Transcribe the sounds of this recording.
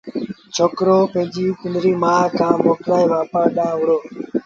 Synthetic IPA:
t͡ʃʰoːkɾoːpẽːd͡ʒiːkʊnɾiːmãːkãːmoːklaːiːʋaːpaːɗãːʋʊɽoː

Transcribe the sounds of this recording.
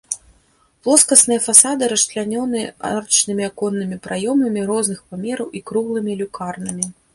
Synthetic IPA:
plˠɔskɐsnɨjɐfasad̪ɨɾɐʂt̪lʲanʲɔnɨa̰rt͡ʃnɨmʲiakɔnːɨmʲipɾʔajɔmɐmʲiɾɔznɨxpamʲɛɾɐwʔikɾuɣlˠɨmʲilʲukarnɨmʲi

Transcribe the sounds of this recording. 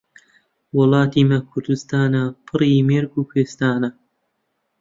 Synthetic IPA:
wʊlˠɑːt̪imɐkʰʊɾd̪ɨst̪aːnɐpʰɨrimeːɾɡuːpʰweːst̪aːnɐ

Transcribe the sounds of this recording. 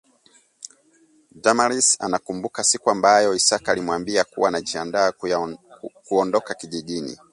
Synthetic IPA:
damaɾisa̰nakumbukasikuambajɔisakalimwambiakuwaːnaʄiandaː | kuɔndɔkakiʄiɗinḭ

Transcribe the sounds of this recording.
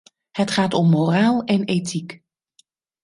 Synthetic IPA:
hətχaːtɔmːoːraːlˠɛneːtʰik

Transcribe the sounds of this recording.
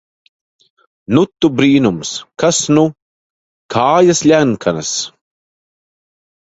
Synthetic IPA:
nut̪ːubɾiːnumskasnu | kʰaːjaslʲæŋkʰanas

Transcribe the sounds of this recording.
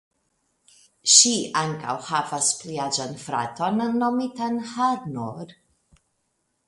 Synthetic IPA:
ʃiʔaŋka̰whavaspliad͡ʒanfɾa̰tʰonnːomitanhaɾnoɾ

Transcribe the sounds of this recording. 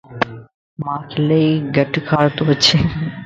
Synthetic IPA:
makʰlejɡəʈkʰaɾt̪oɦoːɕʰe

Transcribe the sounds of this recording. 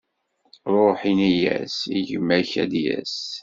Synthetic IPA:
ɾˤoħinijæ̰siʝəmːæçæd̪jæ̰s

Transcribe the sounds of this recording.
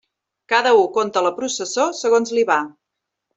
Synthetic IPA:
kaðəukont̪ələpɾusəsosəɣonzliβa

